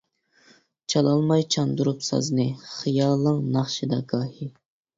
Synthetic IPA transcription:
t͡ʃʰɑlˠɑlˠmɑjt͡ʃʰɑnd̪uɾupsɑ̰znɨχɨjɑlˠːɨŋnɑχʃɨd̪ɑɡɑːhi

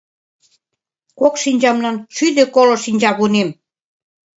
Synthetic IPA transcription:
kokʃinʲd͡ʑɑmlɑnʃyd̪ĕkolŏʃinʲd͡ʑɑβunem

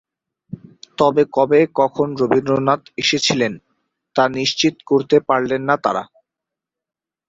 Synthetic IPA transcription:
t̪ɔbekɔbekɔkʰonɾobind̪ɾonat̪eʃet͡ɕʰilen | t̪aniʃt͡ɕit̪koɾt̪epaɾlenːat̪a̰ɾa̰

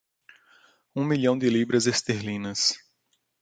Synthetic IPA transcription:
ũmiʎɐ̃w̃d̪ɪlibɾɐzest̪eɾlĩnɐs

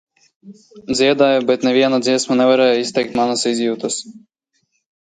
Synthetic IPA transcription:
d̪zʲiɛd̪aːjɔbʲɛt̪nʲɛvʲiɛnad̪ziɛsmanʲɛvaɾɛːjɔist̪ʲɛjk̚t̪manasizʲjuːt̪ɐs

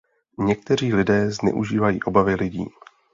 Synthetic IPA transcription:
ɲɛk̚t̪ɛr̝iːlɪdɛːznɛ̰ʔuʒiːvajḭːʔo̞bavɪlɪɟḭː

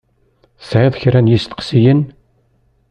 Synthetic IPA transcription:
sʕeðˤçɾænjist̪ə̥qsijən

